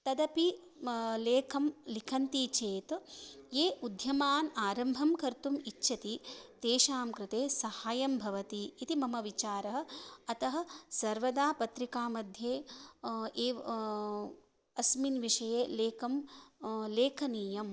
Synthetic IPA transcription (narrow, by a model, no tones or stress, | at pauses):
t̪ɐd̪ɐpi | leːkʰɐmlikʰɐnt̪it͡ʃeːt̪jeːʔud̪ʱjɐmaːnaːɾɐmbʱɐmkɐɾt̪umitːʃʰɐt̪it̪eːʃaːmkɾɪt̪eːsɐhaːjɐmbʱɐʋɐt̪iːt̪imɐmɐʋit͡ʃaːɾɐɦɐ̆ɐt̪ɐɦɐ̆sɐɾʋɐd̪aːpɐt̪ɾikaːmɐd̪ʱjeː | eː | ɐsminʋiʂɐjeːleːkɐm | leːkʰɐniːjɐm